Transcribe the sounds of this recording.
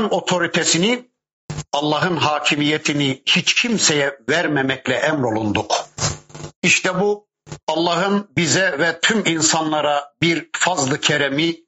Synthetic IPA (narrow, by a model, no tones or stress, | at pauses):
no̞t̪ʰo̞ɾit̪ʰɛsini | ɑlˠːɑɦɯnɦaːcʰimijɛt̪ʰinihit͡ʃcʰimsɛjɛvæɾmɛmɛclʲɛʔæmɾo̞lˠund̪uk | iʃt̪ʰɛbu | ɑlˠːɑɦɯnbizɛvɛt̪ʰyminsanlˠɑɾabiɾfazlˠɯcʰɛɾɛmi